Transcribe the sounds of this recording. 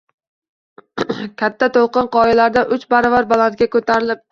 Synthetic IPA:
kʲʰat̪ʰːat̪ʰolˠqɨnqʰɒjɪlaɾd̪aʔʊt͡ʃbaɾɒvaɾbalˠant̪̚ɡʲakʰɵt̪ʰaɾɪlɪp̚

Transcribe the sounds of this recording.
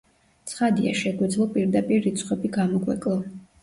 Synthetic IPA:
t̪sʰχad̪ia̰ʃɛɡwɛd̪zlˠɔpʼiɾd̪apʼiɾːit̪sʰχwɛbiɡamɔɡwɛ̰kʼlˠɔ

